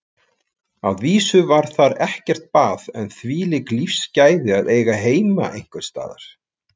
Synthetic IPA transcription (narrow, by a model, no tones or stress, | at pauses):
a̰ðviːsʏvaɾ̥θaɾɛhcɛr̥t̪̚paːðɛnθviːlɪklifscaːjðɪaðeːjɣaɦeːjma̰ʔejŋ̥kʏnst̪a̰ːða̰ɾ̥